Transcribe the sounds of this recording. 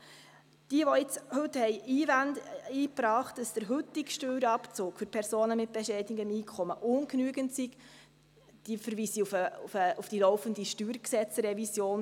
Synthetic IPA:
d̥iəʋɔɪt͡shɵthɛɪiːvænd̪iːpɾɑːχt̚d̥ɑsd̥əɾɦɵt̪ːikʃtøːɾɑpt͡soːkfʏɾpʰɛɾsoːnəmɪt̚b̥ɛʃɛdiɡəmiːkʰχɔməʔʊnknyəɡəntsik | d̥iəfəɾviːsiufəufəufd̥ilɔʊfəndiʃtyːɾksɛt͡sɾɛvisjoːn

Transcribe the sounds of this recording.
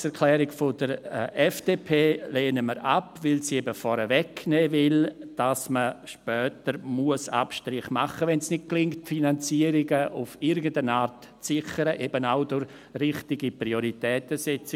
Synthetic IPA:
sɛɾkʰlɛːɾɪɡfod̥əɾɛfd̥eːpʰeːleːnəməɾapvɪlsiɛbəfɔɾəvɛknɛːvɪld̥asməʃpœːtəɾmuəsa̰pʃtɾɪχmaχəvɛnsnɪt̚klɪŋktfinant͡siːəɾɪɡəʔufɪɾɡən̩dənaːɾt | t͡sɪχəɾəʔebənaʊdʊɾ | rɪχtɪɡipɾioɾitɛːtəsɛt͡sɪ

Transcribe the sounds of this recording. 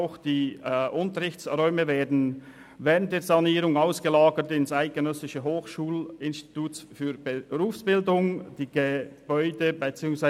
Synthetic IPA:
ʊxd̥iːʔʊntəɾɪçt͡sʁɔʏməveːdn̩ | vɛːɾənt̚d̥eːzɑniːɾʊŋaʊsɡ̥əlaːɡətɪnsaɪt̚ɡ̥ənœsɪʃəɦoːxʃuːlɪnsti̥tʰuːsfyːɾb̥əɾuːfsb̥ɪldʊŋd̥iːɡ̥əb̥ɔʏdəbət͡siːʊŋsva

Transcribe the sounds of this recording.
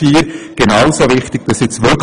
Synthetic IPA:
iːɾɡ̥enaʊsovɪχtɪɡ̥̚d̥ɑsɪt͡sʋɪk

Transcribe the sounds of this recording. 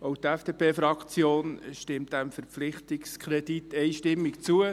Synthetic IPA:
owtɛfd̥epʰeːfɾɑkt͡sjoːnʃtɪmt̚d̥æmfəɾpflɪχtikskʰɾɛd̥itɛjʃtɪmːikt͡suə

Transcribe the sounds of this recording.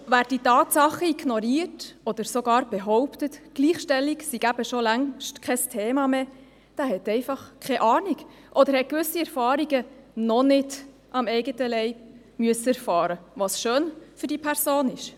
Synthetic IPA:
væːɾd̥itɑːtsɑχəiɡnɔɾiːərtɔd̪əɾsoɡɑːɾb̥ɛɦɔʊptətɡ̥liːχʃtɛlːiksiɡæb̥əʃolæŋʃtkʰɛstʰeːmɑme | d̥æːhɛtɛɪfɑχkʰɛʔɑːniɡ | ʔɔd̪əɾhɛt̚kʋʏsːiɛɾfɑːɾiɡənɔnɪd | ʔɑmɛɪɡətəlɛɪb̥̚ | myəsəɛɾfɑːɾəʋɑsʃøːnfʏɾdipʰɛɾsoːnɪʃ

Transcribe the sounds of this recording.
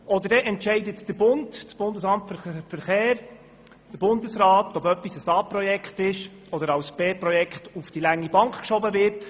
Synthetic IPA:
ɔdəɾdɛʔɛntʃɛɪdətd̥əbʊndtsb̥ʊndəsɑmtffəɾχeːɾ | d̥əɾbʊndəsɾɑːt̪ɔbœpːisəsɑːprɔjɛkχtɪʃ | ɔdəɾɑwsb̥eːpɾɔjɛkχtufd̥ilæŋːibɑŋkχkʃɔbəvɪɾt

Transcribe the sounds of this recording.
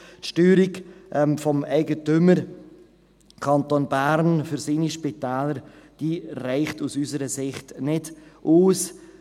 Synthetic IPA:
tʃtyːɾɪɡʔɛmfɔmɛɪɡətʏməɾ | kʰɑntoːnbæɾnfʏɾsiːniʃpitɛːləɾd̥iːrɛɪχtusysəɾəsɪχtnɪd̥ʔuːs

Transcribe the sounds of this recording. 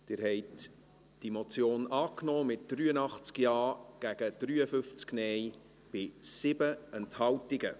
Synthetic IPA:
d̥ɪːɾɦɛɪt | d̥imot͡sjoːnɑːknɔːmɪt̚d̥ryːənɑχt͡skjɑːɡ̥æɡ̥əd̥ɾyːəfʏft͡sknɛj | b̥ɪsɪbəɛnthɑltɪɡə

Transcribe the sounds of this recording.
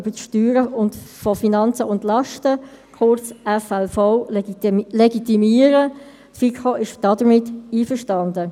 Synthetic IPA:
b̥əʃtyːɾəʊndfɔfinɑnt͡səʊndlɑʃtə | kʰʊrt͡sɛfɛlfɔʊ | leɡit̪imiːəɾə | tfikʰoʔɪʃd̥ɑdəɾmɪtːiːfəʃtɑndə

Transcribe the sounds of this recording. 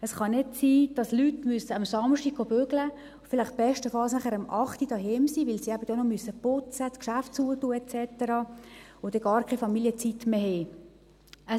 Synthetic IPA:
əsχɑnɪtsiːd̥ɑslytmysəɑmsɑmʃtiɡ̥̚ɡobøɡlə | fɪlɪχt̚b̥ɛʃtəfɑlsnæχəɾɑmʔɑχtid̥ɑɦɛmsiʋɪlsiæbədɔnɔmysəpʊt͡səskʃaftt͡suːətuːəɛt͡sɛtəɾɑ | od̥ɛɡ̥ɑːrkʰɛfɑmiljət͡sitːmeheː | ə

